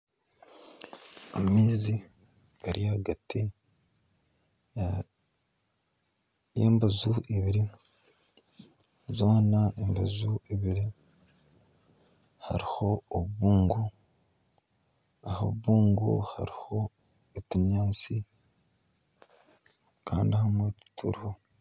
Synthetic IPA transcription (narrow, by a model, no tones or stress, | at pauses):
amiːzi | aɾijaɡati | jḛːmbazuʔiβiɾi | zoːnaʔembazuiβiɾi | ha̰ɾiho̞ːββuːŋɡu | aho̰βuβuːŋɡo̰ha̰ɾiho̞ | etiɲaːt͡si | kʰa̰ːndihamwetu̥tʰṵɾiho